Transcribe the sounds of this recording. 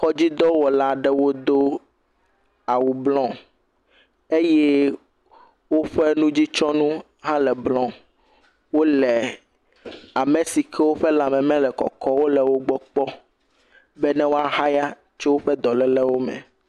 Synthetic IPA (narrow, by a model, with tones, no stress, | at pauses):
xɔ˦d͡ʑi˦d̪ɔ˦wɔ˨la˦ɖɛ˦wo˦d̪o˦ | a˨wu˨blɔ̃˦ | e˦jɛ˦ | wo˦ɸɛ˦nũ˦d͡ʑi˦t͡ʃɔ˦nũ˦ | ɦã˦lɛ˨blɔ̃˦ | wo˦lɛ˨ | a˨mẽ˨si˨kʰɛ˦wo˦ɸɛ˦lã˨mɛ̃˨mɛ̃˦lɛ˨kɔ̰˨kɔ˦wo˦lɛ˨wo˦ɡ͡bɔ˦k͡pɔ˦ | bɛ˦nɛ̃˦wo˦a˦ɦa˦ja˦ | t͡ʃɛ˦wo˦ɸɛ˦d̪ɔ˨lɛ˨lɛ˦wo˦mɛ̰̃˨